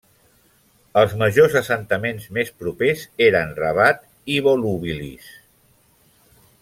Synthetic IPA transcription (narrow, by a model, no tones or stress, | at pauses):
əlˠzməʒozəsənt̪əmenzmespɾupezeɾənrəβ̞at̪ | iβoluβilḭs